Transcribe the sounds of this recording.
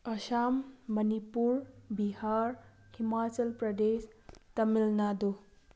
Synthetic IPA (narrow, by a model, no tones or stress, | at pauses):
əʃamːənipuɾbihaɾ | himat͡səlpɾəd̪est̪əmilnad̪o